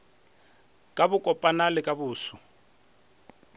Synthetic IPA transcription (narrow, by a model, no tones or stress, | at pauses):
kʼabʊkʼɔpʼanalɪkʼabʊːsʊ